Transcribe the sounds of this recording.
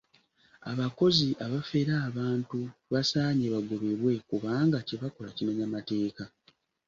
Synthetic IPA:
a̰βako̞ziʔaβafe̞ɾaːβaːntuβasaːɲeβaɡoβe̞βwe̞kuβaːŋɡaceβako̞lacimeɲamate̞ːka

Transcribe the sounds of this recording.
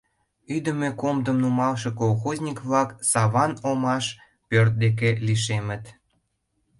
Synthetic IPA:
yd̪ə̆mekomd̪əmnumɑlʃekolˠxozʲnʲikβlɑksɑβɑnomɑʃ | pørt̪̚d̪ek̬eliʃ̬emə̆t̪

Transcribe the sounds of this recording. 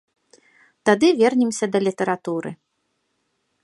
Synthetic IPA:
t̪ad̪ɨvʲɛrnʲɛmsʲɐd̪ɐlʲit̪ɐɾat̪uɾɨ̰

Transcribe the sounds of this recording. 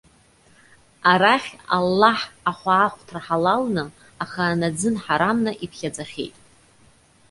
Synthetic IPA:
aɾaχʲa̰lːaħaχʷaːχʷtʰraħalalnɨ | aχanad͡zɨnħaɾamnaʔipʰχʲad͡zaχʲe̞̰jtʼ

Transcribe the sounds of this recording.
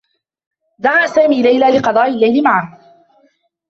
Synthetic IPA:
d̪aʕaːʔsaːmiːlajlaːlɪqɑd̪ˤɑːʔɪlːajlɪmaʕah

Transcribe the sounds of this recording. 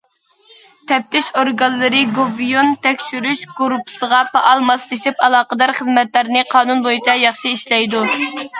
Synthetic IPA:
t̪ʰɛp̚t̪ʰɪʃoɾɡɑnlːˠɨɾɨɡovijont̪ɛkʲʃyɾyʃɡ̥oɾupʰsəʁɑpʰɑʔɑlˠmɑst̪ɪʃipɑlˠɑːqəd̪ɑɾχəzmɛt̪læɾnɪqʰɑːnunbojit͡ʃʰɑjɑχʃiiʃlɛjd̪u

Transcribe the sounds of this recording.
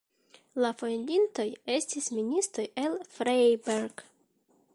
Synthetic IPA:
lafo̞jndint̪o̞je̞stisminist̪o̞je̞lfɾejbeɾɡ

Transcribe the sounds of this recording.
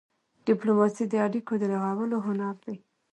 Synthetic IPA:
ɖ̥iplomɑsid̪əaɽikod̪əlaɣɑwəloɦʊnaɾd̪aj

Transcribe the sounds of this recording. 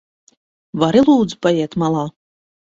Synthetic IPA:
vaɾilˠuːd̪zpajɛɛt̪malˠɑː

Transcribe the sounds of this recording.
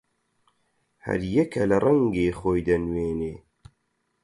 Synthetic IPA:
hɐ̰ɾjɛkʰɐlɐrˤɐŋɡeːxoːjd̪ɐnweːneː

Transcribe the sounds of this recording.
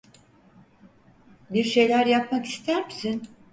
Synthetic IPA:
biɾʃe̞jlʲæɾjap̚maki̥st̪ʰæɾmisin

